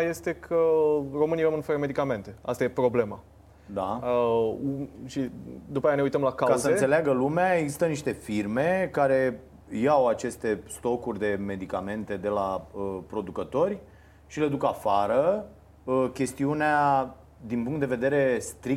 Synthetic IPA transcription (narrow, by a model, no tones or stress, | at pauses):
je̞st̪e̞kʰəro̞mɨnivamɨnfəɾəme̞d̪ikame̞nt̪e̞a̰st̪ajepɾo̞ble̞ma | d̪aəuʃid̪upajaneujt̪əmlakakasəɨneseleaɡəlumeaeɡzi̥st̪əniʃt̪e̞firme̞kaɾe̞ | jawat͡ʃe̞st̪e̞st̪o̞kurʲd̪e̞me̞d̪ikame̞nt̪e̞d̪e̞laəpɾo̞d̪ukət̪o̞rʲ | ʃile̞d̪ukafaɾə | kʲe̞st̪iunea | d̪inpuŋkt̪d̪eve̞d̪e̞ɾe̞st̪ɾik̪̚